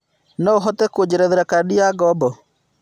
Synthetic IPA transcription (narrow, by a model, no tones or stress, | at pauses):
nɔoɦɔtɛkod͡ʑeɾɛðeɾakadiaɡɔbɔ